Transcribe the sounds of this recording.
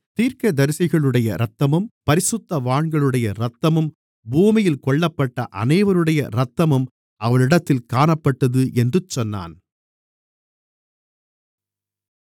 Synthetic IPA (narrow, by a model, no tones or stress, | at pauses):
t̪iːɾkɐd̪ɐɾɪsɪɣɐɭɯɽɐjɐ̰ɾɐt̪ːɐmɯmpɐɾɪsʊt̪ːɐʋaːɳɡɐɭɯɽɐjɐɾɐt̪ːɐmɯm | buːmɪjɪlkɔɭːɐpːɐʈːɐ̰ʔɐ̰nɐɪʋɐɾɯɽɐjɐ̰ɾɐt̪ːɐmɯm | ʔɐʋɐɭɪɽɐt̪ːɪlkaːɳɐpːɐʈːɐðɯʔɛndrɯt͡ʃːɔnːa̰ːn